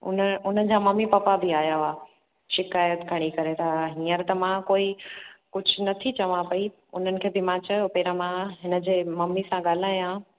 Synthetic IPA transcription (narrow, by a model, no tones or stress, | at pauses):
ʊ̰nəʊn̤ən̆d͡ʑamɐmːipɐpabʱɪaːjaʋaː | ʃɪkaːjət̪ɡʱɐɽ̃ikɐɾet̪ʰaɦĩːəɾt̪ɐmãkoːikʊd͡ʑʱʊnɐt̪ʰit͡ɕɐʋãpɐi | ʊn̤ənɪ̆kʰeːbɪmãt͡ɕɐjopeːɾamãɦɪnə̆d͡ʑeːmɐmːisãɠaːl̤aːjã